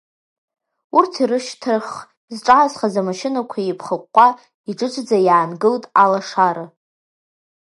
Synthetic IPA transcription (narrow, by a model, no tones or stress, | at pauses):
urtʰiɾɨʃtʰɨrχ | zʈ͡ʂʼaːzχazamaʃɪnakʷʰaipʰχəqʷːa | iʈ͡ʂʼɨʈ͡ʂʷʰʼd͡zajaːnɡɨltʼalaʂaɾɨ